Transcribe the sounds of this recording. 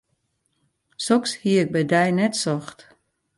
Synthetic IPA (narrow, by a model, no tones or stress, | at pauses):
sɔkshiəɪk̚bɛjdɛjnɛtsɔxt